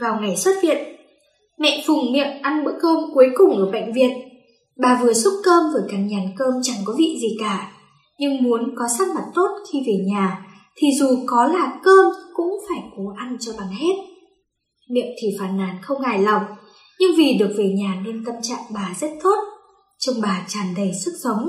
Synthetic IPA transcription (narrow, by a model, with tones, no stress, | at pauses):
vaː˨˩wŋa˨˩jswə˦˥t̚hḭ˧˨ən | mɛ̰˧˨fʊ˨˩ŋ͡mmḭ˧˨əmʔa˧nɓɨ̰˧˥kəː˧mku˨˦jkʊ˨˩ŋ͡mʔəː˧˩ɓa̰˧˨jŋ̟vḭ˨˩ən̚ | ɓaː˨˩vɨ˨˩əsʊ˦˥p̚kəː˧mvəː˧˩jkaː˨˩ɲaː˨˩nkəː˧mt͡ɕa˨˩ŋkɔ˨˦vḭ˧˨zi˨˩kaː˧˩ | ɲɨ˧ŋmu˨˦ənkɔ˨˦saː˦˥t̚ma˨˩t̚t̪o˦˥t̚xi˧ve˨˩ɲaː˨˩ | t̪ʰi˨˩zu˨˩kɔ˨˦laː˨˩kəː˧mkʊ̰˧˥ŋ͡mfaː˧˩jko˨˦ʔa˧nt͡ɕɔ˧ɓaː˨˩nhe˦˥t̚ | mḭ˧˨əmt̪ʰi˨˩faː˨˩nːaː˨˦nxə˧wŋ͡mɣaː˧˩jla˨˩wk͡p̚ | ɲɨ˧ŋvi˨˩ɗɨ˨˩ək̚ve˨˩ɲaː˨˩ne˧nt̪ə˧mt͡ɕa̰ː˧˨ŋɓaː˨˩zə˦˥t̚t̪ʰo˦˥t̚ | t͡ɕə˧wŋ͡mɓaː˨˩t͡ɕaː˨˩nɗə˧˩jsɨ˦˥k̚zɔ˨˦ŋ͡m